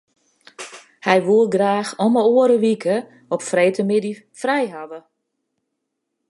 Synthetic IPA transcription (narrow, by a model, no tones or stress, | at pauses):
hɛjʋuəlˠɡraːxɔməoəɾəʋikʰə | ɔpfreːtəmɪdi | frɛjɦadə